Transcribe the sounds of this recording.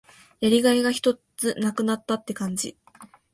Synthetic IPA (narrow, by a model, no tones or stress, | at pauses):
jaɾʲiɡaiɡaçi̥t̪o̞t͡sɨnakɯ̟nat̪ːat̪ːe̞kãɲ̟d͡ʑi